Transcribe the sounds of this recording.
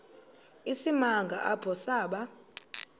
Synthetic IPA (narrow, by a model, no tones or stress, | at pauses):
isimaŋɡʱa̰ʔab̥ʱɔsaːɓa